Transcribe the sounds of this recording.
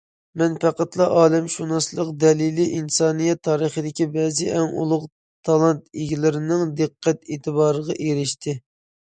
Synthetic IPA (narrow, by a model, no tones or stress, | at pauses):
mɛnpæqɑt̪lˠɑʔɑːlɛmʃunɑslˠəqd̪ɛliliʔinsɑːnijɛt̪ʰːɑːɾəχəd̪ɪkʲibɛzɪʔɛŋṵlˠʊq | t̪ʰɑlˠɑnt̪iɡʲilɪɾɪnɪŋd̪ɨqʰːɛt̪eːt̪ʰɨbɑːɾəʁɑʔeɾɪʃt̪ʰɪ